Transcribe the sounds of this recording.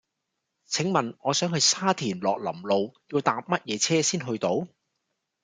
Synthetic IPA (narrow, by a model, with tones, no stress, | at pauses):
t͡sʰɪ˨˥ŋmɐ˨nŋɔː˨˧sœː˨˥ŋɦɵ˧jsaː˥t̪ʰiː˨˩nlɔ̰ː˨k̚lɐ̰˨˩mlo˨wjiː˧wt̪aː˧p̚mɐ˥t̚jɛː˨˧t͡sʰɛː˥siː˥nɦɵ˧ɥt̪o˨˥w